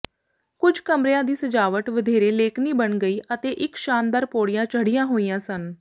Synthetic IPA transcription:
kʊd͡ʒʱkəmɾjãːd̪iːsəd͡ʒaːʋəʈʋəd̪ʱeːɾeːleːkʰniːbəɳɡəiːʔət̪eːʔɪkʃaːnd̪aːɾpoːɽɪjãːt͡ʃəɽɪjãːɦoːijãːsən

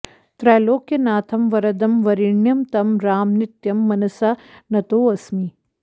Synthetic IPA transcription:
t̪ɾɛːloːkːenaːt̪ʰɐmʋɐɾɐd̪ɐmʋɐɾiɳjɐmt̪ɐmɾaːmnɪt̪jɐmːɐnɐsanɐt̪oːɐsmi

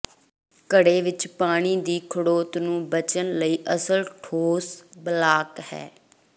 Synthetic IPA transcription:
kəɽeːʋɪt͡ʃpaːɽ̃iːd̪iːkʰəɽoːt̪nũːbət͡ʃənləiːʔəsəlʈʰoːsbəlaːkhɛ̰ː

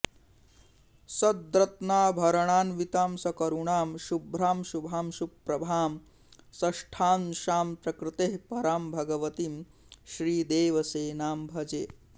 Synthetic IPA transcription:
sɐd̪̚d̪ɾɐt̪naːbʱɐɾɐɳaːnʋit̪aːmsɐkɐɾuɳaːmʃubʱɾaːmʃubʱaːmʃupːɾɐbʱaːm | sɐʂʈʰaːnʃaːmpɾɐkɾɪt̪eɦpɐɾaːmbʱɐɡɐʋɐt̪iːm | ʃɾiːd̪eːʋɐseːnaːmbʱɐd͡ʒeː

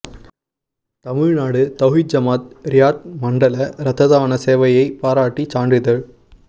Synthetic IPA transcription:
t̪ɐmɪɻnaːɽɯt̪ɐɣɪd͡ʒɐmaːt̪̚ɾɪjaːʈ̚mɐɳɖɐlɐɾɐt̪ʰːɐðaːnɐseːʋɐjɐɪpaːɾaːʈːit͡ʃaːɳɖɪðɐɭ

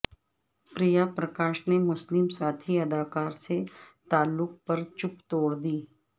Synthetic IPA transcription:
pɾijapɾɐkaːʃnemʊslɪmsaːt̪ʰiɐd̪aːkaːɾset̪aːlːʊk̚pɐɾt͡ʃʊpt̪oːɽd̪iː

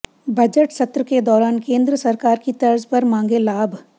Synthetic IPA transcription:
bɐd͡ʒəʈsɐt̪ɾəked̪ɔːɾaːnkẽːnd̪ɾəsɐɾkaːɾkit̪ɐɾzpɐɾmãːŋɡelaːbʱ

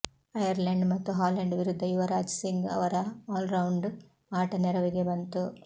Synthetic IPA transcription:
ɐjɐɾlɐɳɖmɐt̪ːuɦaːlɐɳɖʋiɾud̪ʱːɐjiʋɐɾaːd͡ʒɐsiŋɡɐ̰ʋɐɾɐaːlɾɐwɳɖ | aːʈɐnɛɾɐʋiɡe̞bɐnt̪u

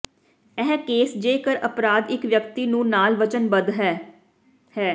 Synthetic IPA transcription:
ɛːɦkeːsd͡ʒeːkəɾəpɾaːd̪ɪkʋjəkt̪iːnũːnaːlʋət͡ʃənbəd̪ɦɛː | hɛː

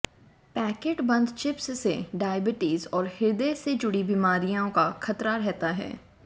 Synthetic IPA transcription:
pɛːkeːʈbɐ̃nd̪t͡ʃɪpssḛɖaːjbɪʈiːzɔːɾhɪɾd̪esed͡ʒʊɽibimaːɾijõkaxʰɐt̪ɾaɾɛɦt̪aɦɛ̰ː

